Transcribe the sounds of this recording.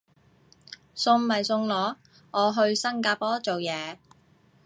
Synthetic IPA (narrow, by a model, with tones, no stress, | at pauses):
sʊ˧ŋmɐ˨jsʊ˧ŋlɔː˨˥ | ʔɔː˨˧ɦɵ˧ɥsɐ˥ŋkaː˧pɔː˥t͡so˨wjɛː˨˧